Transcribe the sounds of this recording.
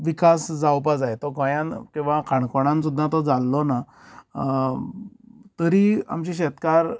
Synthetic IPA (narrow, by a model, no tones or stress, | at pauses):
ʋikasd͡zawp̬ad͡zajt̪ɔkəjãnkĩw̃ʋãkʰaɳkoɽ̃ãns̬ud̪ʱːat̪ɔd͡zalːɔna | t̪əɾia̰mt͡ɕiɕɛt̪kaɾ